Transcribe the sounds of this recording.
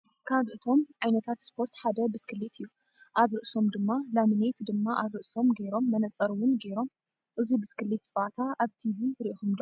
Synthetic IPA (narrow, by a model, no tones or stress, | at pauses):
kʰaβʔɨt̪ʰo̞mʕajnɐt̪ʰat̪spʰo̞ɾt̪ħad̪ɐbɨskʰɨlːit̪ʰɨjːu | ʔaβɾɨʔso̞md̪ɨmːalamɨnejt̪d̪ɨmːaʔaβɾɨʔso̞mɡe̞ɾo̞mːɐnɐt͡sʼːɐɾwʊnɡe̞ɾo̞m | ʔɨzibɨskʰɨlːit̪t͡sʼɨβat̪ʰaʔaβt̪ʰiviɾiʔxumd̪